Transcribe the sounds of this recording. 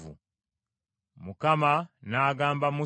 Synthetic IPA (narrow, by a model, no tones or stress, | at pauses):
vṵ | mukamanaːɡaːmbamu